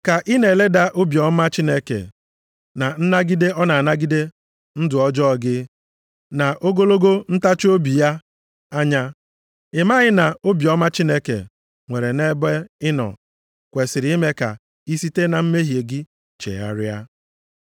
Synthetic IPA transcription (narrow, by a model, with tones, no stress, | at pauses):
ka˨ʔi˦ne˨le˦da˦ʔʊ˦bjɔ˦ma˦t͡ʃi˦ne˦kḛ˨ | na˨n̩˦na˦ɡi˦de˦ɔ˦na˨na˦ɡi˦de˦ | n̩˦dʊ˨ɔ˦d͡ʒɔ˦ɔ˨ɡɪ˦ | na˨ʔo˦ɡo˦lo˦ɡo˦n̩˦ta˦t͡ʃo˦bi˨ja˦ | a˦ɲa˦ | ɪ˨ma˦ɣɪ˦na˨ʊ˦bjɔ˦ma˦t͡ʃi˦ne˦kḛ˨ | ŋʷe˨ɾe˨ne˦be˦ɪ˦nɔ̰˨ | kʷe˨sɪ˨ɾɪ˨i˦me˦ka̰˨ | i˦si˦te˦na˨m̩˦me˦ɦje˨ɡɪ˦ | t͡ʃḛ˨ɣa̰˦ɾɪja˦